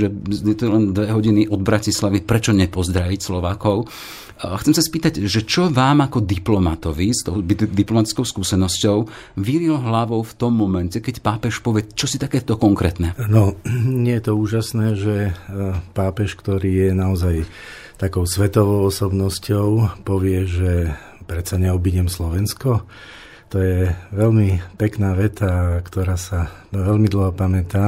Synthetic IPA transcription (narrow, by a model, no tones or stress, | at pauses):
ʒɛjɛt̪ɔlɛnd̪ʋɛɦɔɟiniʔɔd̪bɾacislaʋipɾɛt͡ʃɔɲɛpɔzd̪ɾaʋicslɔʋaːkɔʊ | xt͡sɛmsaspiːt̪aɟʒɛt͡ʃɔʋaːmakɔd̪iplɔmat̪ɔʋist̪ɔʊd̪iplɔmat̪i̥t͡skɔʊskuːsɛnɔscɔʊ | ʋiɾilɦlaʋɔʊft̪ɔmːɔmɛncɛkɛcpaːpɛʃpɔʋɪɛt͡ʃɔsit̪akɛːt̪ɔkɔŋkɾɛːt̪nɛnɔɲɪɛjɛt̪ɔuːʒasnɛːʒɛ | paːpɛʃkt̪ɔɾiːjɛnaɔzaj | t̪akɔʊsʋɛt̪ɔʋɔʊɔsɔbnɔscɔʊpɔʋɪɛʒɛ | pɾɛt̪saɲɛɔbiɟɛmslɔʋɛnskɔ | t̪ɔjɛʋɛlmipɛknaːʋɛt̪akt̪ɔɾaːsa | ʋɛlmid̪l̩ɦɔpamɛt̪aː